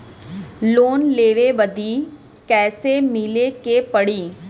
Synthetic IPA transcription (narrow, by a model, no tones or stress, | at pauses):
loːnleːʋeʋəd̪i | kɛːsemɪlekepəɽiː